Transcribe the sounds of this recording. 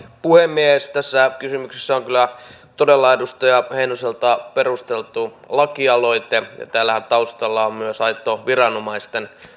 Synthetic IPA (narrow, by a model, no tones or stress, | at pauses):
puhemːieest̪æsːækysymyksesːæoŋkylˑæ | t̪odelːɑedust̪ɑjɑheinoselt̪ɑperust̪elt̪u | lɑkiɑloit̪ejɑ̰t̪æːlːæhænt̪ɑust̪ɑlːɑommyøsɑit̪ːˑoʋirɑnomɑist̪en